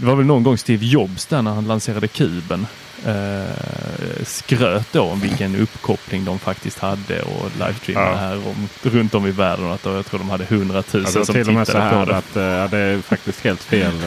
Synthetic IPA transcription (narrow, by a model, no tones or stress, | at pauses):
d̪ɛvaɾvɛlnɔnɡɔŋːst̪iːvjɔbsd̪æɳæɾhanlanseːɾad̪əkʰʉ̟ːbən | skɾøːt̪̚d̪oɔmvɪlkənɵpːkʰɔplɪŋd̪ɔmfakt̪ɪst̪had̪ːə̰ɔ̰lʔa̰ɪfst̪ʰḭɦæːɾɔ̰mɾɵnt̪ɔmɪvæːɖənat̪̚d̪ɔjɑɡt̪ʰɾuːɖ̪ɔmhad̪ːəhɵnd̪ɾat̪ʰʉ̟ːəsɔmɪɪɛːad̪æpʰɔɾɛat̪ɑd̪ɛfak̚t̪ɪst̪heːlt̪feːl